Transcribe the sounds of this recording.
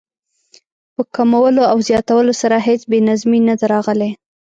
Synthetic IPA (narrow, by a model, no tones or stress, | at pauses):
pəkamawəloawzjɑt̪awəlosaɾaɦet͡sbenazminad̪aɾɑɣəle